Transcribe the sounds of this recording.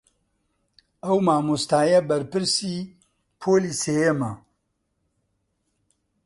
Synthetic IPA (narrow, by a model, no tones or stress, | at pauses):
ɐwmaːmust̪aːjɐbɐɾpɨɾsiː | pʰoːliːseːjemɐ